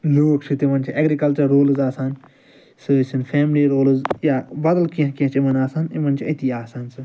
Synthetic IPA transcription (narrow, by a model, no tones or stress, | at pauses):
loːkt͡ʃʰit̪imɐnt͡ʃʰiʔɐɡɾikɐlt͡ʃɐɾːoːlzaːsaːn | sɨsinfʰɛːmliɾoːlzjaːbɐd̪əlkiɐ̃kiɐ̃t͡ʃʰimɐnaːsaːnimɐnt͡ʃʰiɐt̪ʰiaːsaːnsɨ